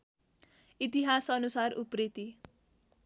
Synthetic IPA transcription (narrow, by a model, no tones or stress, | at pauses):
it̪iɦasʌnusaruprit̪i